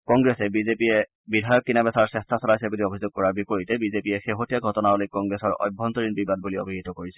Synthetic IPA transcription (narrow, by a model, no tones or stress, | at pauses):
kɔŋɡɹɛsɛbizepiɛ | bidʱajɔkːinabɛsaɹsɛstʰasɔlajsɛbuliobʱizoɡ̚kɔɹaɹbipoɹitɛbizepiɛxeɦotijaɡʱɔtɔnaɔlokːɔŋɡɹɛsɔɹɔ̰jbʱɔntɔɹinbibad̚bulio̰bʱiɦitɔkoɹisɛ̥